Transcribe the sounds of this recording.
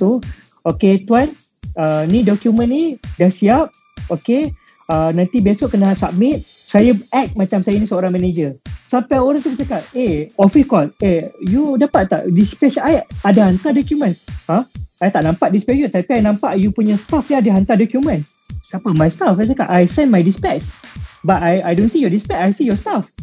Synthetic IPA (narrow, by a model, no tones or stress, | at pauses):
t̪u | oket̪uan | ənidokjumə̃nːidahsiap̚ | oke | ənãnt̪ibiasoʔkənasab̚mit̪̚ | sajaɛk̚mat͡ʃamsajanisəoɾaŋmɛned͡ʒəsampajoɾaŋt̪ubət͡ʃakaʔ̚eofikɔlejudapat̪̚t̪a̰ʔdispɛt͡ʃajadahant̪adokjumə̃nhãajt̪aʔnãmpaʔ̚dispɛt͡ʃjut̪apiajnãmpaʔjupuɲəst̪afjaadaɦant̪adɔkjumə̃n | sapəmajst̪aft͡ʃakaʔajsɛ̃nmajdispɛkt͡ʃbat̪ajajdonsijɔdispɛt͡ʃajsijɔst̪af